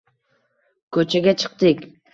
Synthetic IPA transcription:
kʲʰɵt͡ʃʰɛɡʲɛt͡ʃʰə̥q̚t̪ɨkʲ

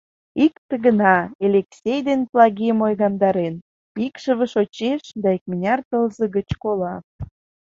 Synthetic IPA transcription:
ikt̪ə̆ɣənɑelʲeksʲejd̪enplɑɣiəmojɣɑnd̪ɑɾen | pikʃəβə̆ʃot͡ɕeʃd̪ɑik̚mənʲɑrt̪əlzə̆ɣət͡ɕkolɑ

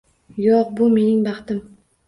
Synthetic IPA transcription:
joq̚bʊme̞nɪŋbɑχt̪ɪm

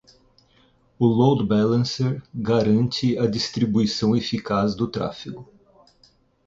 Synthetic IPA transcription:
ʊlowd̪bɛlɐ̃seɾɡaɾɐ̃nt͡ʃɪɐd͡ʒist̪ɾibuisɐ̃w̃efikazd̪ʊt̪ɾa̰fiɡʊ

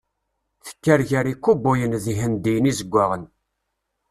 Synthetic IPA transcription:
θə̥kːæɾʝaɾikʷːubʊjənðiɦənd̪ijənizəɡʷːaʁən

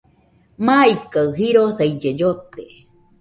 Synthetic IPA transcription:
maikaɰɦiɾosaid͡ʒed͡ʒot̪e

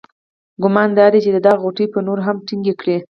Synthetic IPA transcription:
ɡʊmɑnd̪ɑd̪et͡ʃed̪əd̪ɑɣɣoʈəjpənoɾɦamʈiŋɡekɽe

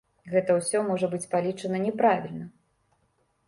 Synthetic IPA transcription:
ɣɛt̪ɐwsʲɔmɔʐɐbɨt͡sʲpalʲit͡ʂɐnɐnʲɛpɾavʲilʲnɐ

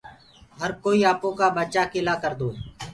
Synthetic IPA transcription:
ɦəɾkoːiːaːpõːkaːbət͡ʃaːkɪlaːkəɾd̪oː

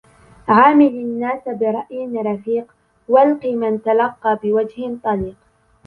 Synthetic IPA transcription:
ʕaːmɪlnːaːsabɪɾˤɑʔjɪnɾˤɑfiːq | walqiːmant̪alɑqːɑːbɪwad͡ʒhɪt̪ˤɑliːq

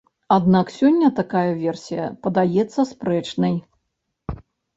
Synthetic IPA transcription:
ad̪naksʲɔnʲːɐt̪akajɐvʲɛrsʲijɐ̰pɐd̪ajɛt̪sːɐspɾɛt͡ʂnɐj

